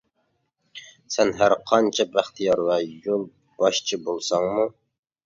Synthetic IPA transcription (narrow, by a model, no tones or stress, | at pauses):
sɛnɦæɾqʰɑnt͡ʃʰɛbæχt̪ʰijɑɾvɑjolˠ | b̥ɑʃt͡ʃʰibolˠsɑŋmu